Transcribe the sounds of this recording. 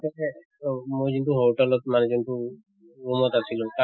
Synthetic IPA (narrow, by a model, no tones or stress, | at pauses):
t̪ɛ | mujzint̪uɦowʈɛlɔt̪̚manɛd͡ʒint̪u | umɔt̪asʰilũt̪a